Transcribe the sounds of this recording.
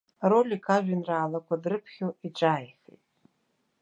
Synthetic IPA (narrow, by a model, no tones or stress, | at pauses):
rolʲikʰaʒʷᶣinraːlakʷʰadrɨpʰχʲoiʈ͡ʂaːjxḛtʼ